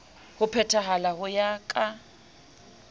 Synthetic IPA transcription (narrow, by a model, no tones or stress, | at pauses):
hʊpʰɛtʰaɦalahʊjakʼa